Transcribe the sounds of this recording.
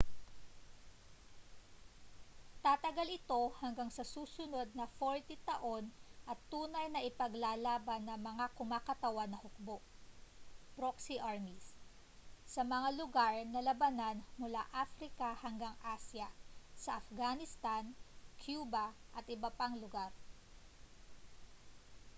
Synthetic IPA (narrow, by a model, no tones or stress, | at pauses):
t̪at̪ɐɡalɪt̪o̞hɐŋɡaŋsɐsuːsʊno̞d̪̚nɐfoɹt̪it̪ɐʔo̞nʔɐt̪ːuːnɐjnɐʔɪpɐɡlaːlaːbɐnːɐŋmɐŋakʊmaːkɐt̪ɐwanːɐhʊk̚boʔ | pɾoksiʔaɹmis | sɐmɐŋalʊɡaɹnɐlɐbɐnanmʊla̰ʔafɾɪkɐhɐŋɡaŋʔasjɐsɐʔɐfɡanɪst̪ankʰjuːbɐʔɐt̪ʔɪbɐpaŋlʊɡaɾ